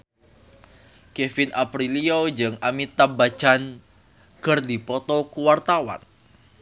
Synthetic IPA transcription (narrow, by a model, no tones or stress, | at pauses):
kefɪnʔapɾiliod͡ʒɨŋamit̪abḁt͡ʃan | kərdipɔt̪ɔkuwart̪awa̰n